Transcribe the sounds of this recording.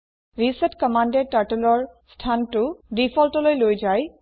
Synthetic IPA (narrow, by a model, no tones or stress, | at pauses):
ɹisɛtkɔmandɛtaɹtɛlɔɹ | stʰantʊdifʰɔltɔlojlojzaj